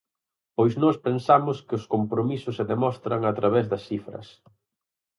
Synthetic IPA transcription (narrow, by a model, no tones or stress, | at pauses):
pojznɔspensamʊskɪʊskompɾomisʊsːeðemɔst̪ɾɐŋat̪ɾɐβɛzðɐsifɾɐ̰s